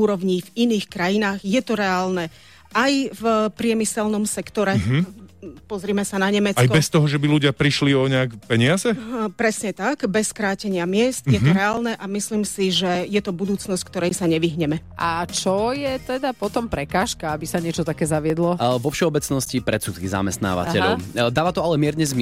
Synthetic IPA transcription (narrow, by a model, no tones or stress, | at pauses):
uːɾɔʋɲiviniːxkɾajinaːɣjɛt̪ɔɾɛaːlnɛ | ajvpɾɪɛmisɛlnɔmsɛkt̪ɔɾɛ | pɔzɾiːmɛsanaɲɛmɛt͡sajkbɛst̪ɔɦɔʒɛbiluɟɪapɾiʃliɔɲɛakpɛɲɪazɛpɾɛsɲɛt̪aɡbɛskɾaːcɛɲɪamɪɛst̪jɛɔɾɛaːlnɛʔamisliːmsiʒɛjɛt̪ɔbud̪uːt͡snɔsck̚t̪ɔɾɛjsaɲɛʋiɦɲɛmɛat͡ʃɔjɛt̪ɛd̪apɔt̪ɔmpɾɛkaːʃkaabisaɲɪɛt͡ʃɔt̪akɛːzaʋɪɛd̪lɔʋɔfʃɛɔbɛt͡snɔscipɾɛtt͡sut̪kiza̰mɛst̪na̰ːʋa̰cɛʎɔ̰ʊd̪aːʋat̪ɔalɛmɪɛɾɲɛzm